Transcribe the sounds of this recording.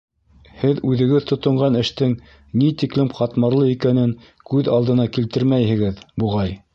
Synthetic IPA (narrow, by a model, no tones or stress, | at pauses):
hɘðʉðɘ̆ɡɘðt̪ŏt̪ŏɴɢɑnɘ̆ʃt̪ɘŋ | nit̪iklɘmqɑt̪mɑɾlˠɤikænɘŋ | kʉðɑlˠd̪ɤ̆nɑkilt̪ɘɾmæjhɘ̆ɡɘðbuʁɑj